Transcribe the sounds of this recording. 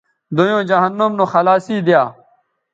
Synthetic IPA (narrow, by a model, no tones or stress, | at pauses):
d̪ojõːd͡ʑɐɦɐnːomnoxɐlaːsiːd̪jaː